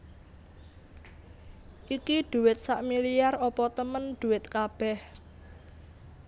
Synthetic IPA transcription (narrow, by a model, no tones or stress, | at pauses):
ʔikiɖ̪̥ṳwɪt̪̚saʔmilijarɔpɔt̪əmənd̪̥ṳwɪt̪kab̥ɛh